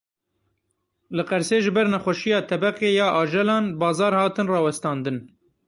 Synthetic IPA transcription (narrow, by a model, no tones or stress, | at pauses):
lɨqɛɾseːʒɨbɛɾnɛxʷɛʃijɑːt̪ʰɛbɛqeːjɑːʔɑːʒɛlɑːnbɑːzɑːɾhɑːt̪ɨnrɑːwɛst̪ɑ̃ːnd̪ɨn